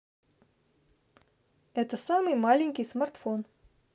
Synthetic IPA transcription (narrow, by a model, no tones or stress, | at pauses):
ɛt̪əsɑmɨjmɑlʲiŋʲkʲijsmart̪fon